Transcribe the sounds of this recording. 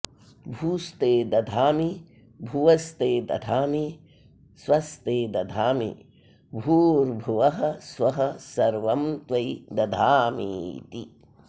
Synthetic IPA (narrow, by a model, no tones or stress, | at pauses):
bʱuːst̪eːd̪ɐd̪ʱaːmi | bʱuʋɐst̪eːd̪ɐ̰d̪ʱaːmi | swɐst̪eːd̪ɐd̪ʱaːmḭ | bʱuːɾbʱuʋɐɦɐ̆sʋɐɦɐ̆sɐɾʋɐmt̪ʋɐjd̪ɐd̪ʱaːmḭt̪i